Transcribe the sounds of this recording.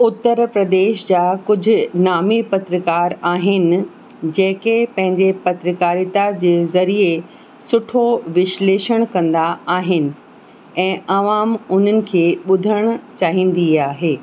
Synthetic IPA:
ʊt̪ːəɾpɾɐd̪eːʃd͡ʑaːkʊd͡ʑʱʊ̆naːmipɐt̪ɾəkaːɾaːɦɪnɪ̆ | d͡ʑẽːkepɐ̃ɦɪ̃ɲd͡ʑepɐt̪ɾəkaːɾit̪ad͡ʑeːzɐɾie | sʊʈʰoʋɪʃleːʃəɽ̃kɐ̃nd̪aaːɦɪnɪ̆ | ɛ̃ːɐʋaːmʊn̤ənɪ̆kʰeːɓʊd̪ʱəɽ̃t͡ɕaːɦĩːn̆d̪iaːɦeː

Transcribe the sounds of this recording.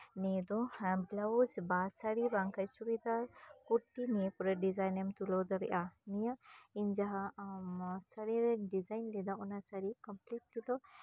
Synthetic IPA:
nɛd̪ɔhamɡlawzbasaɾibaŋkʰajsubid̪aɾkuɾt̪inɛpuɾɛɖizajnɛmt̪ulɔd̪ɔɾɛ̰ʔanijaʔiɲd͡ʒaɦa | saɾiɾɛɖizajnlɛd̪aʔɔnasaɾikɔmpliʈ̚ːid̪ɔ

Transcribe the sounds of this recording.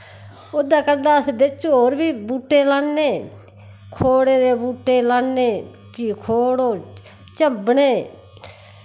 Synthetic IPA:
ʊd̪aːkəɾd̪aːsbɪt͡ʃoːɾbiːbuːʈːeːlaːnːeː | kʰoːɽeːd̪eːbuːʈːeːlaːnːeː | kiːkʰoːɽoː | t͡ʃəbɳeː

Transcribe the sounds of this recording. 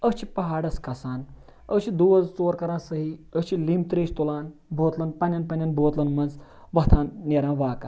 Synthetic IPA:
əst͡ʃʰi̥pɐɦaːɖɐskɐsaːn | ət͡ʃʰid̪uːʋɐzt͡soːɾkɐɾãːsɐɦiət͡ʃʰilimt̪ɾeːʃt̪ulaːnbʱoːt̪lɐnpɐnʲɐnpɐnʲɐnboːt̪lɐnmɐnz | ʋɐt̪ʰãːnnʲeɾãːʋaːkɐ

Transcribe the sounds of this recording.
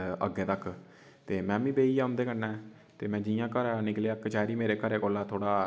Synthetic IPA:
ə̰ɡeːt̪əkː | t̪eːmɛ̃ːʋĩːbeːiːɛːɦʊ̃nd̪eːkəːãː | t̪eːmɛ̃ːd͡ʒɪjãːkəɾaːnɪkleːəkːt͡ʃaːɾiːmeːɾeːkəɾeːkoːlaːt̪ʰoːɽaː

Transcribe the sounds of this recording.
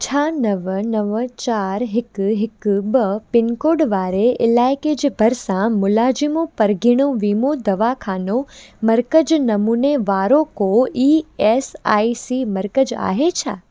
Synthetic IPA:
t͡ʃʰanəʋənəʋət͡ʃaːɾɦɪkɦɪkbəpɪnkoɖʋaːɾeʔɪlaeked͡ʒbʱəɾsãmʊlad͡ʒimõpəɾɡiɽ̃õʋimõd̪əʋakʰaːnõməɾkəd͡ʒnəmuneʋaːɾõkoiesa̰isiməɾkəd͡ʒa̰ːɦet͡ʃʰaː

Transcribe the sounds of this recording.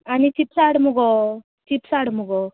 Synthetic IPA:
anit͡ʃipsaɽmuɡo | t͡ʃipsaɽmuɡo

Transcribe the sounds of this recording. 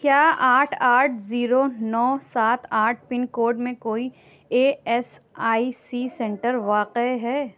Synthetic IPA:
kjaːaːʈʰaːʈʰziːɾonɔːsaːt̪ʰaːʈʰpɪ̃nkoːɾɖmẽkoːi | eːɛs | aːisiːsɛ̃ɳʈəɾʋaːqeɦɛː

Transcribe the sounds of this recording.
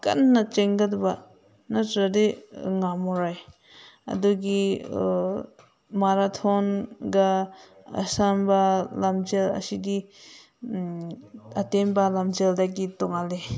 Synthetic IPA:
ka̰nːat͡ʃeŋɡadba | natɾadeŋamɔɾaj | ɐ̰duɡi | maɾatʰɔnɡa̰ː | sambalamd͡ʒelɐ̰sidi | atenbalamd͡ʒeldaɡitɔŋale

